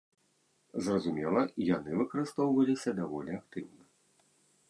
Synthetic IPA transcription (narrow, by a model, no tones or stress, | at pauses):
zrɐzumʲɛlˠɐjan̪ɨvɨkɐɾɨst̪ɔwvɐlʲisʲɐd̪avɔlʲiak̚t̪ɨwnɐ